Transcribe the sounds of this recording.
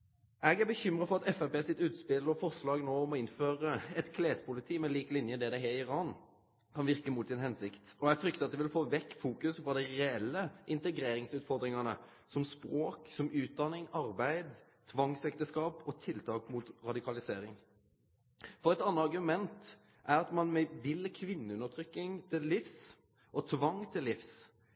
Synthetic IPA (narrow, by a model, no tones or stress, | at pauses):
ɛɡæɾbəçʏmɾɑfɔɾʁɑt̪ɛfæpeːsɪt̪ʉːt̪spɪlːəɾɔfɔʁslɑːɡnoːɔmɔɪnføːɾəɛt̪kʰleːspʰʊlɪt̪ʰiːmɛliːklɪnjəd̪ɛd̪ɛɦɛɪɾɑːn | kʰɑnʋɪʁkəmut̪sɪnhɛnsɪkt̪ɔɛɡfɾʏk̚t̪əɾɑt̪̚d̪ɛʋɪlfoːʋɛkːfuːkʉsfɔd̪ɛɪɾɛɛlːəʔɪnt̪ɛɡɾeːɾɪŋsʉːt̪fɔɾd̪ɾɪŋɑnə | sɔmspɾoːksɔmʉːt̪̚d̪ɑnːɪŋɑɾbæɪd̪ | t̪ʰʋɑŋsɛkt̪əskɑːpɔt̪ʰɪlt̪ʰɑːkmʊt̪ɾɑd̪ɪkʰɑlɪseːɾɪŋ | fɔɾɛt̪ɑnːəɑɾʁɡʉmɛnt̪ | ʔæɾɑt̪mɑnmɛʋɪlːəkʰʋɪnːəʉnːəɾt̪ʰɾʏkːɪŋt̪ʰɪllɪfs | ʔɔt̪ʰʋɑŋːt̪ʰɪlːɪfs